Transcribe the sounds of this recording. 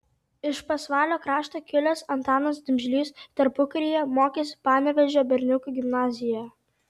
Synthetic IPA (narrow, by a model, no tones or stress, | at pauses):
ɪʃpɐsʋɑːlʲoːkɾɑːʃt̪oːkʲɪlʲɛsɐnt̪ɑːnɐsd̪ʲʊmʲʒʲlʲiːst̪ɐɾpʊkɐɾʲijɛmoːkʲeːsʲpɑːnʲɛʋʲɛʒʲoːbʲɛɾʲnʲʊkuˑɡʲɪmnɑːzʲɪjɛ